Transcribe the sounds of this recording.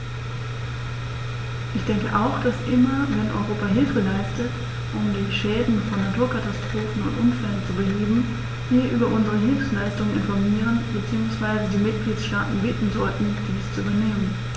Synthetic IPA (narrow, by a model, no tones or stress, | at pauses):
ʔɪçd̥ɛŋkəʔaʊxd̥asʔɪmɐvɛnʔɔ̰ʏʁoːpaɦɪlfəlaɪstət | ʔʊmdiːʃɛːdn̩fɔnːatuːɐkʰatastʁ̥oːfn̩ʊntʔʊmfɛlənt͡subəheːbm̩ | viːɐʔyːbɐʔʊnzəʁəɦɪlfslaɪstʊŋənʔɪ̰nfɔɐmiːʁ̞ənbət͡siːʊŋsv̥aɪzədiːmɪt̚ɡ̥liːtsʃtaːtn̩bɪːtn̩zɔltn̩d̥iːst͡suybɐneːmən